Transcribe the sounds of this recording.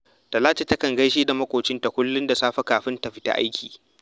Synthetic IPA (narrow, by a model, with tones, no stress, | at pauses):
ta˨laː˦t͡ʃe˨tɐ˦kɐ˨ŋɡɐ˦jʃiː˦da˨mɐ˦kʷʼoː˨t͡ʃɪ˦nta˨kʷʊ˦lːʊ˦nda˨saː˦ɸɐ˦kaː˨ɸɪ˦ntɐ˨ɸɪ˦ta̰˦ʔa̰˦jkʲʰiː˨